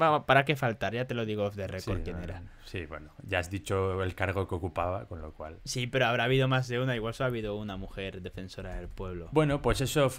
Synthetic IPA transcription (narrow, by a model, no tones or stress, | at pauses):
bapaɾake̞falt̪aɾʝat̪e̞lo̞ðiɣ̞ofðereskokjeneɾasibwḛnoʝaazðit͡ʃo̞elkaɾɣ̞okeokupaβako̞nlokwa̰lsipe̞ɾoaβ̞ɾaːβ̞iðo̞mazðe̞unaiɣwalsoaβiðounamuxe̞ɾðefe̞nso̞ɾaðe̞lpwe̞β̞lo̞bwe̞nopwe̞se̞so